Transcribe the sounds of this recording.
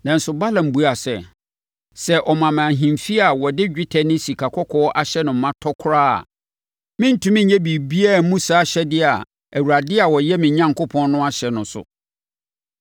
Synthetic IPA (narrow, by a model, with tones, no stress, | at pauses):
nã˨n̩˦sʊ˨ba˦lã˨m˨bu˦a˨sɛ˨ | sɛ˦ʔɔ˨mã˨mã˨ɦĩ˨mfi˦a˨wɔ˨dɪ˦d͡ʑᶣɪ˦tʰɛ˨nɪ̃˦si˨kʰa˨kʰɔ˦kʰɔː˦ʔa˨ɕɛ˦nʊ̃˨m̩˦mːã˦tʰɔ˦kʰʊ˦ɾa̰ː˦˨ | mɪ̃˦n̩˦tʰũ˦mɪ̃˦ɲɛ˦bi˨bi˦a˦˨mũ˦sa˨˦ɕɛ˦dɪ˦a˨ | æ˨wu˨ɾa˨dɪ˦a˨wɔ˨jɛ˦mɪ̃˨˦ɲã˦ŋkʊ˦pʰɔ̃˦nnʊ̃˦a˦ɕɛ˨nʊ̃˨sʊ̰˨